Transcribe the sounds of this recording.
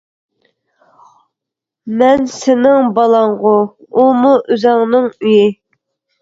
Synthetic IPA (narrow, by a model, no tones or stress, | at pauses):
mɛnsɪnɪŋbɑlˠɑɴʁʊ | umuʔyzɑŋnɨŋyjɪ